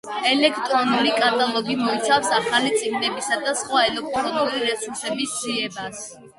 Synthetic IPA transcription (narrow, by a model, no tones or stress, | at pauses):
ɛlɛkʰt̪ʼɾɔnulikʼat̪ʼalˠɔɡimɔit̪sʰafsaχalit̪sʼiɡ̚nɛbisad̪asχwaɛlɛk̚t̪ʼɾɔnuliɾɛsuɾsɛbisd̪z̥iɛbas